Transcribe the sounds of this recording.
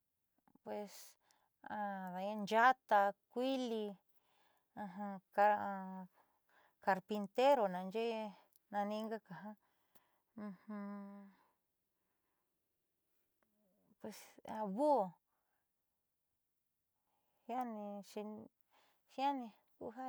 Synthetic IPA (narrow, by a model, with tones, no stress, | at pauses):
pwe˧s | a˧ða˨˧˦ã˧nd͡ʒa˦t̪a˧kʷi˦li˧ | ã˧ɦã˧ka˧ | ka˧ɾpi˧nt̪e˦ɾo˨nã˨˧nd͡ʒe˦ | nã˧nĩ˧˦ŋɡa˦ka˨ɦã˦ | ũ˧hũ˧ | pwe˧sa˧βu˦˨ | hja˦nĩ˧ʃi˧ | ha˦nĩ˧ | kṵ˧ɦa˦